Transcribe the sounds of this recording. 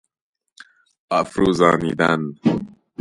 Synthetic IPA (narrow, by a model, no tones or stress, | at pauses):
ʔæfɾuːzɑːniːd̪æn